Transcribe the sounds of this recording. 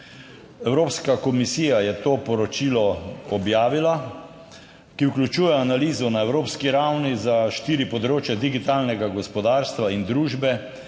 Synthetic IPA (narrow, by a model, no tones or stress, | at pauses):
ɛwɾoːpskakɔmisiːjajɛt̪oːpɔɾɔt͡ʃiːlɔɔbjaːʋila | kiwklʲut͡ʃuːjɛanaliːzɔnaɛwɾoːpskiɾawnizaʃt̪iːɾipɔd̪ɾoːt͡ʃjɛd̪iɡit̪aːlnɛɡaɡɔspɔd̪aːɾst̪ʋaind̪ɾuːʒbɛ